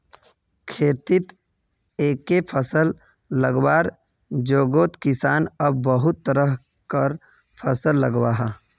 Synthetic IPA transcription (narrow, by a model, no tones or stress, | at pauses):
kʰeːt̪ɪt̪ | eːkːepʰəsəlː | əɡwaːɾ | d͡ʒoːɡoːt̪kɪsaːnəbːəɦʊt̪ːəɾəɦ | kəɾ | pʰəsəlːəɡwaːɦa